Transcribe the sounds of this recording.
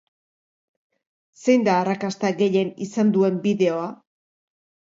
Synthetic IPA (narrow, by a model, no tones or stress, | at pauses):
se̞jnd̪aːrakast̪aɣe̞je̞nisand̪ue̞mbiðe̞o̞a